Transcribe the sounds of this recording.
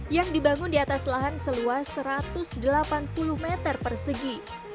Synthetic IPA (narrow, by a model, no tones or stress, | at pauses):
jaŋdibaŋʊndiat̪aslaɦansəluasəɾat̪ʊsdəlapanpulʊhmet̪ərpərsəɡi